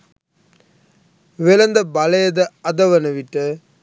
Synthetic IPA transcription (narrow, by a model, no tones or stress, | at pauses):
ʋɛlɐnd̪ɐbɐlɐjɐðɐɐðɐʋɐnɐʋɪʈːɐ